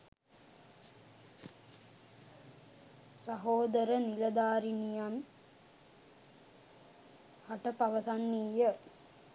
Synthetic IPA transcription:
sɐɦoːd̪əɾənilɐd̪aːɾinijan | aʈəpaʋəsanːiːjə

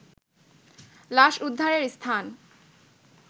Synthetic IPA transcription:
laʃud̪ʱːaɾeɾst̪ʰan

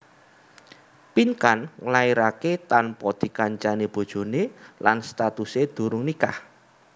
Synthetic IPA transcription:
pinkanŋlaiɾaket̪anpɔd̪̥i̤kaɲt͡ʃaneb̥o̤d̥ʒ̥o̤nelanst̪at̪used̪̥ṳɾʊŋnikah

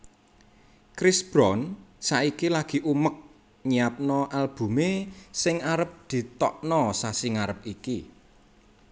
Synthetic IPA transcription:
kɾɪsb̥ɾɔnsaikilaɡ̥i̤ʔumək̚ | ɲiap̚nɔʔalb̥ṳmesɪŋaɾəp̚d̪̥i̤t̪ɔʔnɔsasɪŋaɾəp̚iki

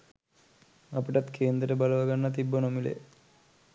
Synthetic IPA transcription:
apiʈat̪kʰeːnd̪ɾəʈəbaləʋaɡanːɐt̪ibːonomilḛ

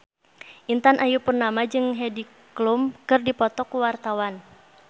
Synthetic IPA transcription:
ʔint̪anʔajupurnamad͡ʒɨŋɦɛdi | klumkɨrdipɔt̪ɔkuwart̪awan

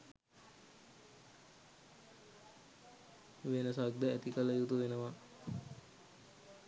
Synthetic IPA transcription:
ʋenəsaɡ̚d̪əæt̪ikələjut̪uʋenəʋa

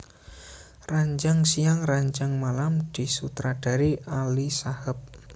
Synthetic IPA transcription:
raɲd͡ʒaŋsijaŋraɲd͡ʒaŋmalamd̪̥i̤sut̪ɾad̥a̤ɾiʔalisahəp̚

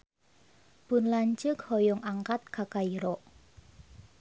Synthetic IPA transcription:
b̥ʊnlaɲt͡ʃəkhɔjɔŋʔaŋkat̪̚kakaiɾɔʔ

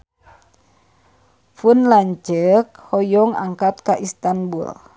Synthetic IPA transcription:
funlaɲt͡ʃək̚hɔjɔŋa̰ŋkat̪̚kaʔist̪anbṵl

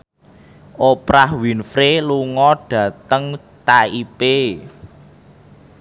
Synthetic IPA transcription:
ʔopɾahwinfɾeluŋɔɖ̥ä̤t̪əŋ | t̪aipe

